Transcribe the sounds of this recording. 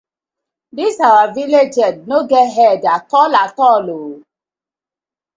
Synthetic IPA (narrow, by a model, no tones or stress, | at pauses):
disawaviled͡ʒɛd̚noɡɛɦɛdatɔlatɔlo